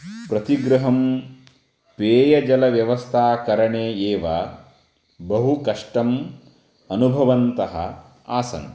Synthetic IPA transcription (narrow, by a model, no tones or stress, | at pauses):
pɾɐt̪iɡɾɐɦɐm | peːjɐd͡ʒɐlɐʋjɐʋɐst̪ʰaːkɐɾɐɳeːeːʋa | bɐɦukɐʂʈɐm | ɐnubʱɐʋɐnt̪ɐɦɐ̰ | aːsɐ̰n